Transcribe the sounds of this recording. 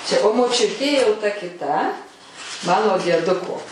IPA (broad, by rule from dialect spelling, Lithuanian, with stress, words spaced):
t͡ʃʲɛ oː moːˈt͡ʃʲʊtʲeː jɛʊ tɐ kʲɪˈtɐ ˈmɑːnoː dʲiɛˈdʊkoː